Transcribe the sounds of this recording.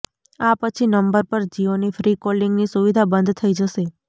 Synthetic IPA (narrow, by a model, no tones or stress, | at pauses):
apət͡ʃʰinəmbəɾpəɾd͡ʒionifɾikolĩŋɡnisuʋid̪ʱabənd̪ʱt̪ʰəid͡ʒəʃe